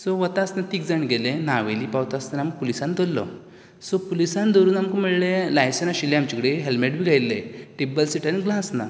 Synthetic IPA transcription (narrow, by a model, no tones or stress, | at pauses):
sɔʋət̪asnat̪iːkd͡zaɳɡelẽnaʋeliːpawt̪ast̪anaməɡpulisãnd̪ɔlːɔ̰ | sɔpulisãnd̪oɾuːnamkɔm̤əɭlelajsenaɕileamt͡ɕikɽeɦelmeʈbʱiɡʱajlːeʈebəlsiʈanɡlãsna̰